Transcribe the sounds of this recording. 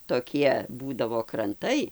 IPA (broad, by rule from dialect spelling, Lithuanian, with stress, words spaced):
toːˈkʲiɛ ˈbuːdɐʋoː krɐnˈtɐɪ